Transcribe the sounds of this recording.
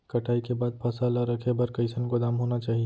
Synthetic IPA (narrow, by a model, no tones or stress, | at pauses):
kɐʈʰaːikebaːd̪̚pʰɐsaːlaɾɐkʰebɐɾkɐɪsənkod̪aːmɦoːnat͡ʃaːɦie